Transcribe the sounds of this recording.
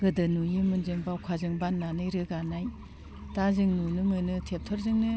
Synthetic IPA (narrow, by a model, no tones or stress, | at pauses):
ɡɯdɯnujɯmɯnzɯŋbawkʰazɯŋbanːanɯjɾɯɡanaj | tazɯŋnunɯmɯnɯtʰep̚tʰɔɾzɯŋnɯ